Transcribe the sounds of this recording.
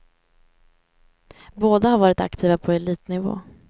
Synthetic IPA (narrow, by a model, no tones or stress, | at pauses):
boːd̪ahaɾvɑːɾɪt̪a̰kt̪ʰiːvapʰɔɛliːt̪nɪvo̰ː